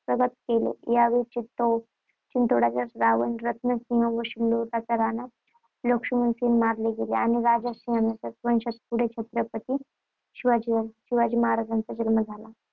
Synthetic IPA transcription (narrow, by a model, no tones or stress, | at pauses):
pɾəɡət̪̚kelḛjaʋit͡ɕit̪o | t͡ɕint̪oɽat͡sasɾaʋənɾət̪nəsĩɦə̃ʋoɕilːot̪at͡saɾana | lokʂumunsenmaɾleɡeleaniɾad͡ʑasĩamat͡ɕasʋənɕət̪puɽ̤et͡ʃʰet̪ɾəpət̪i | ɕiʋad͡ʑiɕiʋad͡ʑiːməɦaɾad͡zant͡sad͡ʑəlməd͡zʱala